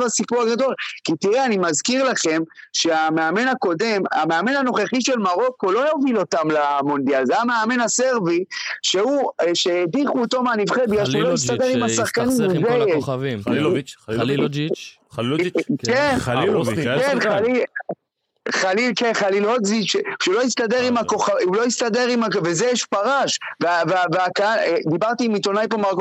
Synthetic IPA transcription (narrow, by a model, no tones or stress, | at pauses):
vasipuʁaɡado̞lkit̪iʁeanimazkiʁlaχe̞mʃe̞ameame̞nako̞de̞ma̰meame̞nano̞χeχiʃe̞lmaʁo̞kulo̞jovilo̞tamlamond̪ijalzejameame̞nase̞ʁviʃeuʃeediχuːt̪o̞meanivχebiaʃulomist̪aɡeʁimasaχkanimuzejeʃ | ken | enχalil | χalilkenχalilotziʃeʃeulo̞jist̪ade̞ʁimako̞χaulo̞ist̪ade̞ʁimavezejɛʃpaʁaʃveaveaveakaad̪ibaʁt̪imit̪o̞najpomaʁɡo